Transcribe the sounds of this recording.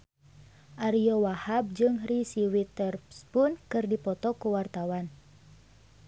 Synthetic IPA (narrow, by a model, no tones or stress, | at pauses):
ʔaɾiɔwahab̚d͡ʒɨŋrisiwit̪ɛrspunkɨrdipɔt̪ɔkuwart̪awan